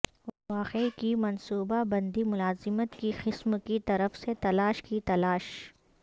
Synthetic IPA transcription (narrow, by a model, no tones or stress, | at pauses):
ʋaːqeikimɐnsuːbabɐ̃nd̪imʊlaːzɪmət̪kixɪsmkit̪ɐɾəfset̪ɐlaːʃkit̪ɐlaːʃ